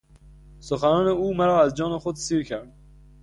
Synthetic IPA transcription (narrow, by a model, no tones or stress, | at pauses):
sʊxanɔːneuːmaɾɒːazd͡ʒɒːnɪxʊd̪siɾkʰaɾd̪